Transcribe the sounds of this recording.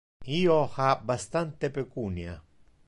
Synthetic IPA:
ioxabast̪ant̪epekunja

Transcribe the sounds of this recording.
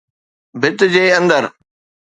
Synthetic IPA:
bʱɪt̪d͡ʑeːɐ̃nd̪əɾ

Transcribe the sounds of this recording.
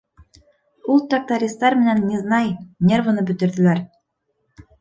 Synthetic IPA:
ulˠt̪ak̚t̪aɾʲist̪ɑɾmɘ̆nænːiznɑjnʲe̞rvɤ̆nɤbɵ̆t̪ɘ̆ɾðɘ̆læɾ

